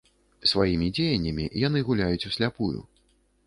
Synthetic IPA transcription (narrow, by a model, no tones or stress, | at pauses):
svajimʲid͡zʲejɐnʲːɐmʲḭjan̪ɨɣulʲajut͡sʲusʲlʲapujṵ